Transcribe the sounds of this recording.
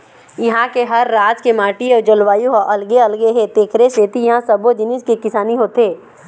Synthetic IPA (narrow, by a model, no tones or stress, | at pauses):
jɐɦãkeɦɐɾːaːd͡ʒkemaːʈiɔːɾd͡ʒɐlʋaːjuɔʔɐlɡeɐlɡeɦet̪eːkʰɾeset̪ijɐɦãsɐbod͡ʒɪniskekɪsaːniɦoːt̪eː